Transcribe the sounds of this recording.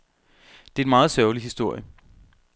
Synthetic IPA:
d̥e̝æenmɑ̈ːð̞̩ˠsœʊlihisd̥o̝ɐ̰jə

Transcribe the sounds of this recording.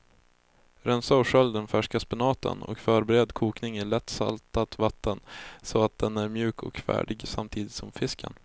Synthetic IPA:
ɾɛnsaɔʂœld̪ɛnfæʂkaspɪnɑːt̪ə̰nɔ̰kfœːɾbɛɾɛd̪kʰuːknɪŋɪɭɛt̪ːsa̰lt̪at̪vat̪ʰːənsɔat̪̚d̪ɛnæɾmjʉ̟ːkʰɔ̰kfæ̰ːɖɪɡsamt̪ʰiːd̪ɪt̪sɔmfɪskʰə̰n

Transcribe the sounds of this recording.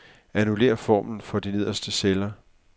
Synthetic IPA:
ænule̝̰ːɐfɒ̰ːmn̩fɒ̽d̥ine̝ðˠɐsd̥əselɐ

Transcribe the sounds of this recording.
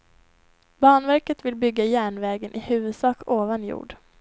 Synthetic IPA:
bɑːɳvæɾkət̪vɪlbʏɡːajæːɳvɛːɡənʔɪhʉ̟ːvɵd̪sɑːkoːvanjṵːɖ

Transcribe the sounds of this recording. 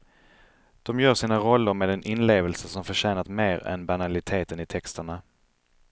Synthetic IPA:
d̪̥ɔmjœːɾʂiːnaɾɔlːəɾmeːd̪ɛnʔɪnleːvəlsəsɔmfœɕɛːnat̪meːɾɛ̰nbanalɪt̪ʰeːt̪ənɪt̪ʰɛkst̪əɳa

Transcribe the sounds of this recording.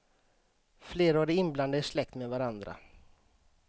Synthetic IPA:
fleːɾaɖɛɪnbland̪əɪʂlɛk̚t̪meːvaɾand̪ɾa̰

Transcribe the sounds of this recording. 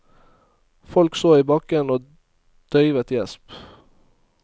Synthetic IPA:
fɔlksoːiːbɑkənoː | d̪̥œʏʋət̪jɛsp

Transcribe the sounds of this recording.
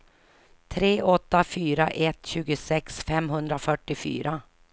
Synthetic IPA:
t̪ʰɾeːʔɔt̪ːafyːɾaʔɛt̪ːɕʉ̟ːɡəsɛksfɛmɦɵnd̪ɾafœʈːɪfy̰ːɾa

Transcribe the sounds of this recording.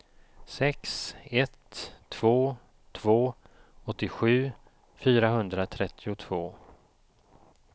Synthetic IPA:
sɛksɛt̪ʰːv̥oː | t̪ʰv̥oː | ɔt̪ːɪɧʉ̟ː | fyːɾaɦɵnd̪ɾat̪ʰɾɛt̪ʰːɪʊt̪ʰv̥oː

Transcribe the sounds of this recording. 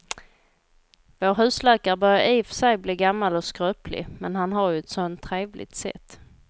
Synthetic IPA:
voːɾɦʉ̟ːslɛːkaɾbœɾjaiːfsɛjbliːɡamːalɔskɾøːpʰlɪ̰mɛnɦanɦaɾjɵɛt̪sɔnt̪ʰːɾeːvlɪ̰t̪sɛ̰t̪ː

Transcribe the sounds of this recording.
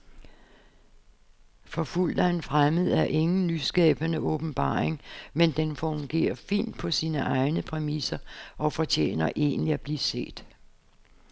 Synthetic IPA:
fɒ̽ful̰d̥ɐe̝nfʁaməð̞̩ˠæɐʔe̝ŋn̩lysɡ̥ɛ̰ːb̥ɐnəʔɔ̽b̥n̩b̥ɑ̰̈ːʁeŋmend̥enfɔŋɡ̥e̝̰ːɐfḭːn̰d̥̚pʰɒ̽siːnəʔɑ̈ɪnəpʰʁɛmisɐʔɒ̽fɒ̽t͡ɕʰḛːnɐʔe̝̰ːnliæb̥liːse̝̰ːd̥

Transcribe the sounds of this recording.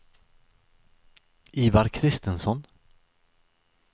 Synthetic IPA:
iːvaɾkʰɾɪst̪ənsɔn

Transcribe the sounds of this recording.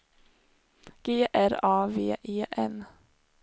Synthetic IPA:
ɡ̥eːʔæɾɑːʋeːʔeːʔɛn

